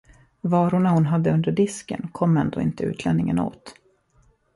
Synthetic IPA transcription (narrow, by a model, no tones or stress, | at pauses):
vɑːɾʊɳahʊnɦad̪ːəɵnd̪əɖɪskə̰nkʰɔmːɛnd̪o̰ːɪ̰nt̪əʉ̟ːt̪ʰlɛnːɪŋəno̰ːt̪